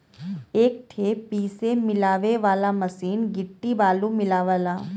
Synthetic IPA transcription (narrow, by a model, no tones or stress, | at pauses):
eːk̚ʈʰeːpiːsemɪlaːʋeʋaːlamɐsiːnɡɪʈːibaːlũmɪlaːʋaːlaː